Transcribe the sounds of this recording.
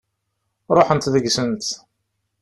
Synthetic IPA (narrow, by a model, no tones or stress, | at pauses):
ɾˤoħənt̪ðəɡsənt̪